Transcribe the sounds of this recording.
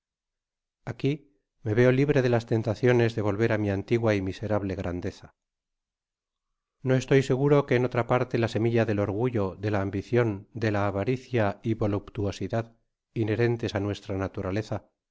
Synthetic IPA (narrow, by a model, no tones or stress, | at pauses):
aki | me̞βe̞o̞liβ̞ɾe̞ð̞e̞last̪e̞nt̪aθjo̞ne̞zðe̞β̞o̞lβe̞ɾamiant̪iɣwaimise̞ɾaβle̞ɣɾʔand̪e̞θa | no̞e̞st̪o̞jse̞ɣ̞uɾo̞ke̞ːno̞t̪ɾapaɾt̪e̞lase̞miʎaðe̞lo̞ɾɣuʝo̞ðe̞laːmbiθjo̞nd̪e̞laːβaɾiθjaiβo̞lupt̪uo̞siðað | ine̞ɾe̞nt̪e̞sanwe̞st̪ɾanat̪uɾale̞θa